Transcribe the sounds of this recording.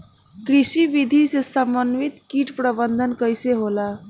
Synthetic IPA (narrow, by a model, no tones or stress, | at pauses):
kɾisibid̪ʱisesəmbənʋit̪kiʈpɾəbənd̪ʱənkəjseɦola